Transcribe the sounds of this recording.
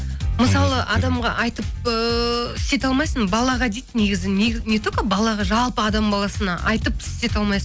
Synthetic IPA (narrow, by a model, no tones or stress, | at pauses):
məsɑlˠəʔɑd̪ɑmʁɑʔɑjt̪əp̚əɪst̪e̞t̪ɑlˠmɑjsəmbɑlˠɑʁɑd̪ejt̪ne̞ɡʲɪzɪnenet̪okəbɑlˠɑʁɑʒɑlˠpəɑd̪ɑmbɑlˠɑsənɑʔɑjt̪əp̚ɪ̥st̪e̞t̪ɑlˠmɑjsə